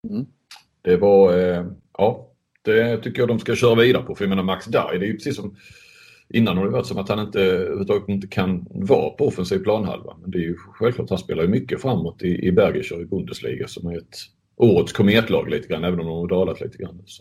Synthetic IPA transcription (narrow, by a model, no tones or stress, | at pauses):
d̪̥ɛvɑɾʔɑː | d̪̥ɛt̪ʰʏkːəjɑːd̪ɔmskaɕœːɾaviːd̪aɾəpʰɔfœɾjameːnaɾmaksd̪aɾjd̪ɛːjʉpʰɾɛ̥siːsːɔm | ʔɪnːanhaɾdɛjəvat̪sɔmat̪hanɪnt̪əʉ̰ːvət̪ʰɑːɡət̪ɪnt̪ːə̥kʰanvɑ̰ːpʰɔɔfənsiːvpʰlɑːnɦa̰lva̰mɛnd̪ɛːjɵɧɛlvklɑːʈ̪thanspeːlaɾjɵmʏkːəfɾamːot̪ɪʔɪbæɾɡɪɕəɾɪbʊnd̪əslḭːɡasɔmæɾɛt̪ | ʔoːɾət̪skʰɔmeːt̪lɑ̰ːɡlḭːt̪ə̥ɡɾanːɛːvənɔmd̪ɔmhad̪ɑːlat̪lḭːt̪əɡɾanːɔsɔ̥